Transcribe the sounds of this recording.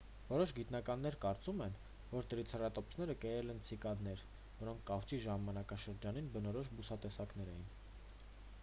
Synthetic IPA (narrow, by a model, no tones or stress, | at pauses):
vɔɾɔʃɡit̪nɑkɑn̪ːɛɾkɑɾt͡sumɛn | vɔɾt̪əɾit͡sʰrɑt̪ɔpsnɛɾəkəjɛlɛnt͡sʰikɑd̪nɛɾ | vɔɾɔŋkʰkɑχt͡siʒɑmɑnɑkɑʃəɾd͡ʒɑninbənɔɾɔʃbusɑt̪ɛsɑkn̪ɛɾɛjin